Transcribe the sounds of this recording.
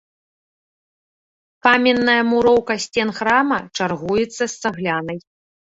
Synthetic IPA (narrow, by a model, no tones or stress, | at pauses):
pamʲɛnːɐjɐmuɾɔwkɐsʲt͡sʲɛnxɾamɐt͡ʂarɣujɛt̪sːɐst̪saɣlʲanɐj